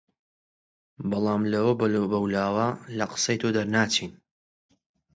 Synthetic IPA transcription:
bɑlˠɑːmlɐwɐbbɐwlaːwɐlɐqə̥sɐjt̪ʰod̪ɐɾnaːt͡ʃiːn

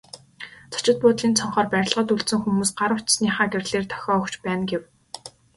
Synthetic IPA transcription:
t͡sʰḁt͡ɕɪ̆t̪̚pʊːt̪ɮiːnt͡sʰɔɴχɔːrpæɾʲɪ̆ɮʁə̆ːt̪uɮt̪sɘ̆ŋxumuːsɢaɾə̆wʰt͡ɕsniːχaːɡerʲɮeːrt̪ʰœ̥xʲɔːɔkt͡ɕpæːnɡew

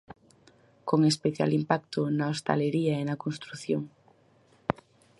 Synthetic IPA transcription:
koŋespeθja̰limpakt̪onaost̪a̰leɾiaenakonst̪ɾuθjoŋ

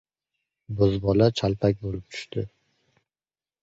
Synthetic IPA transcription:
bɵzbɒlat͡ʃʰalˠpʰak̚ʲbolɪp̚t̪ʰʊ̥ʃt̪ɪ

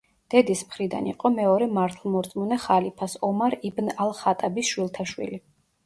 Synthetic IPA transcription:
d̪̥ɛd̪ismχɾid̪a̰nḭqʼɔmɛɔɾɛmaɾt̪ʰlˠmɔɾt̪sʼmunɛχalipʰasɔmaɾibnalˠχat̪ʼabisʃwilˠt̪ʰaʃwḭli

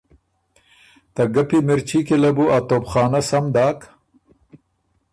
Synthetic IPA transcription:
t̪ɐɡapimɪɾt͡ʃikilɐbuat̪oːpxɑːnasamd̪ɑːk

